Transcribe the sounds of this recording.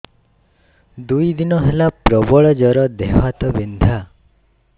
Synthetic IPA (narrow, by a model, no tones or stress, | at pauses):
d̪ujd̪inɔɦelapɾɔbɔɭɔd͡ʒɔɾɔd̪eɦat̪ɔbind̪ʱa